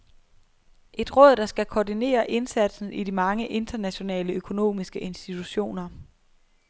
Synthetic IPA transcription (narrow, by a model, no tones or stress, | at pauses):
ʔe̝d̥ʁɔ̽ð̰ˠd̥ɑ̈sɡ̥ækʰɒdine̝̰ːɐʔe̝nsæd̥sn̩idimɑ̈ŋəʔe̝nd̥ɐnæɕo̝nɛ̰ːləøkʰo̝no̝̰ːmisɡ̥əʔe̝nsd̥it͡sʰuɕo̝̰ːnɐ